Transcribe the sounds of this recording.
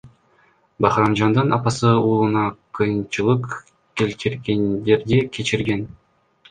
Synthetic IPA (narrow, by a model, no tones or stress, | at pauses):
bɑχɾɑmd͡ʒɑnd̪ɯnʔɑpɑsɯuːlˠɯnɑqʰɯjɯnt͡ʃɯlˠɯq | kʲe̞lt̪ʰiɾɡʲend̪e̞ɾd̪ekʲʰe̞t͡ʃiɾɡʲe̞n